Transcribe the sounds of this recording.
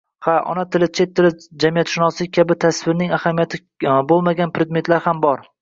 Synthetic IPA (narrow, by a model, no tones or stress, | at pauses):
haʔɒ̰nat̪ʰɪlɪt͡ʃʰe̞t̪ʰːɪlɪd͡ʒamijat̪ʃʊnɒsɪkʲʰabɪt̪ʰasvɪɾnɪŋahamijat̪ʰɪ | bolˠmaɡʲanpɾed̪me̞t̪laɾhambɒɾ